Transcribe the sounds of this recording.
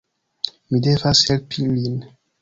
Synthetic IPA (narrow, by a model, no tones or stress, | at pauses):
midevashɛlpʰimin